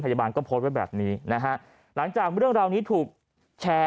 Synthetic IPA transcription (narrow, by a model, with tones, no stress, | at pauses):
mʰpʰa˧jaː˧baː˧nkɔː˥˩pʰoː˦˥t̪̚wa˥˩jbɛ̰ː˨˩p̚niː˦˥na˦˥kʰa˦˥ʔ | la˩˦ŋt͡ɕaː˨˩k̚ɾɯ˥˩əŋɾaː˧wniː˦˥t̪ʰuː˨˩k̚ | t͡ɕʰɛː˦˥